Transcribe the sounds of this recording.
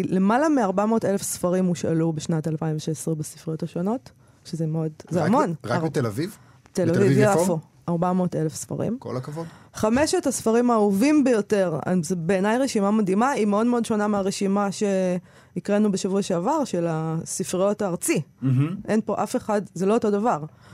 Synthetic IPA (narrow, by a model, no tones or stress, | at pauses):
le̞malameaʁbamo̞telefsfaʁimuʃa̰lubeʃnatalpaimveʃesʁebasi̥fʁijo̞taʃo̞no̞t | ʃezemeodzeamo̞nʁakt̪elaviv | telavivjafo | aʁbamo̞ːtelefsfa̰ʁḭmko̰lakavodχameʃetasfaʁimauvimbejo̞teʁa̰zebe̞ːnajʁeʃimamadimaimeo̞dme̞o̞dʃo̞nameaʁeʃimaʃe̞ | ikʁenubeʃavuaʃeavaʁʃe̞lasifʁio̞taːʁt͡siʔenpo̞ʔafe̞χadzelo̞oto̞davaʁ